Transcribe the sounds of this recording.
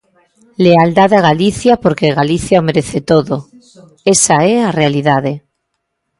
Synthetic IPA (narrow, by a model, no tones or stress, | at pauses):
leald̪aðaɣ̞aliθjapoɾkeɣaliθjaomeɾeθet̪oðo | esaearealiðaðe